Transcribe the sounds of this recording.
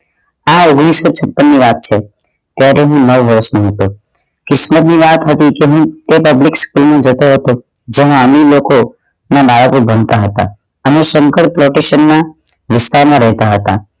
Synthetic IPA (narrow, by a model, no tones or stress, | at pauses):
aoɡɽ̃isːot͡ʃʰəpːənːiʋat̪̚t͡ʃʰe | t̪jaɾeɦũnəʋʋəɾəʃnə̃ɦət̪o | kɪsmət̪niʋat̪ɦət̪ikeɦũt̪epəblikskulmãd͡ʒət̪oɦət̪od͡ʒemãəmiloko | nabaɭəkobənt̪aɦət̪a̰ | ənesə̃ŋkəɾ̚pɾoʈeʃənːa | ʋɪst̪aɾmãɾəɦt̪aɦət̪a̰